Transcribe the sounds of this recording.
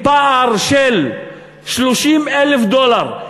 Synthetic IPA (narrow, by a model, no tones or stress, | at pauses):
paʔaʁʃel | ʃloʃimʔelefd̪olaʁ